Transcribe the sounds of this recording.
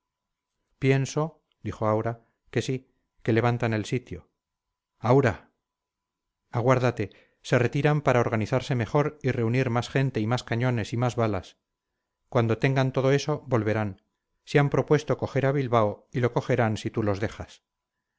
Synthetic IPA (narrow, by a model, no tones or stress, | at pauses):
pje̞nso̞ | d̪ixo̞awɾa | ke̞si | ke̞le̞βant̪ane̞lsit̪jo̞ | awɾa | aɣ̞waɾðat̪e̞ | se̞re̞t̪iɾampaɾao̞ɾɣ̞aniθaɾse̞me̞xo̞ɾire̞uniɾmasxe̞nt̪e̞imaskaɲo̞ne̞simazβalas | kwand̪o̞t̪e̞ŋɡant̪o̞ð̞oe̞so̞bo̞lβe̞ɾan | seampɾo̞pwe̞st̪o̞ko̞xe̞ɾaβilβaoilo̞ko̞xe̞ɾansit̪ulo̞zðe̞xas